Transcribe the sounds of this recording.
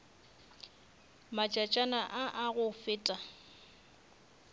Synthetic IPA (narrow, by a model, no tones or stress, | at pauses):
mat͡ʃʼat͡ʃʼanaʔaʔaɣʊfɪːtʼa